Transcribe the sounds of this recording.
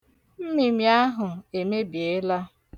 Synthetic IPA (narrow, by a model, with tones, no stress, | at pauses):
m̩˦mi˨mi˨a˦ɦʊ˨e˨me˦bje˨˦la˦